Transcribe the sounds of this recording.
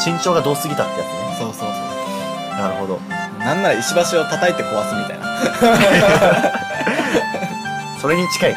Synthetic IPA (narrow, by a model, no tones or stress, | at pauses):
ɕĩɲ̟t͡ɕo̞ːɡad̪o̞ːsɨɡʲit̪aket̪ːsoːsoːsoː | e | naɾɯ̟ho̞d̪o̞ | nãnːaɾaiɕibaɕio̞t̪at̪ait̪ːe̞ko̞βasɨmʲit̪a̰ina̰ | so̞ɾe̞ɲ̟it͡ɕi̥kai